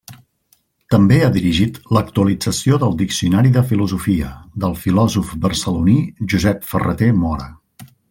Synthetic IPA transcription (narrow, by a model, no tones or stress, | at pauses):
t̪əmbeaðiɾiʒit̪lək̚t̪uəlid͡zəsioðəlˠd̪iksiunaɾiðəfiluzufiəd̪əlˠfilɔzufbərsəluniʒuzɛpfərə̰t̪emɔɾə̰